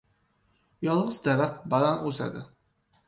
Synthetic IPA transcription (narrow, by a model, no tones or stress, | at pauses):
jɒlˠʁɨzd̪aɾat̪balanoza̰d̪ɪ